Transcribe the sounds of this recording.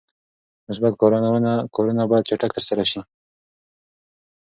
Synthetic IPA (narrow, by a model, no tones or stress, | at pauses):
nʊsbat̪̚koɾonawənakʰoɾunabɑjd̪̚t͡ʃaʈakt̪əɾsaɾaʃi